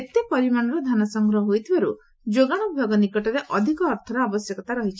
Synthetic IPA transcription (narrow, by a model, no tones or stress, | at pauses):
et̪epɔɾimaɽ̃ɔɾɔd̪ʱanɔsɔŋɡɾɔɦɔɦojt̪ʰibaɾu | d͡ʒoɡaɽ̃ɔbʱaɡɔnikɔʈɔɾeʔɔd̪ʱikɔːɾt̪ʰɔɾɔabɔsjɔkɔt̪aɾɔɦit͡ʃʰi̥